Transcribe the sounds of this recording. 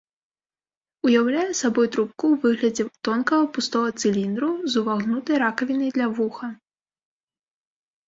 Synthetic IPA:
ujawlʲajɛsabɔjt̪ɾup̚kuwvɨɣlʲɐd͡zʲɛt̪ɔnkɐɣɐpust̪ɔvɐt̪sɨlʲind̪ɾuzuvaɣnut̪ɐjɾakɐvʲinɐjd̪lʲɐvuxɐ

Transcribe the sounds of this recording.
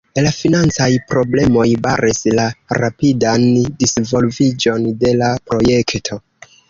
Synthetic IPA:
lafinant͡sajpɾo̞ble̞mo̞jba̰ɾʔislaɾapidandisvo̞lvid͡ʒo̞nde̞lapɾo̞je̞ktʰo̞

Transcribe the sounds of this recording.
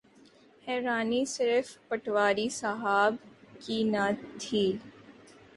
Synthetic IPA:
hɛːɾaːnisɪɾfpɐʈʋaːɾisaɦaːbkinaːd̪ʱiːl

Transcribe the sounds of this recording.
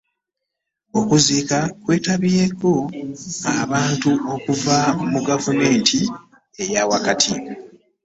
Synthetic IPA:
o̞kuziːkakwe̞ːtaβieko̞aβaːntuʔo̞kuvamuɡavume̞ːntʰi | e̞jawakatʰi

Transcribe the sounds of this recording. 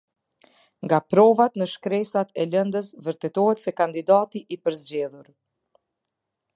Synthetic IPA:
ŋɡapɾɔvat̪nəʃkɾɛsat̪ɛlənd̪əs̬vəɾt̪ɛt̪ɔhɛt̪sɛkand̪id̪at̪iʔipəɾzd͡ʑɛðuɾ

